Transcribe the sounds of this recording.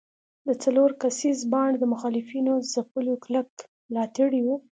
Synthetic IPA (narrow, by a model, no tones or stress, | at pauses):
d̪ət͡saloɾkasizbɑɳɖd̪əmʊxɑlɪfinozapəloklək | mlɑt̪əɽiwu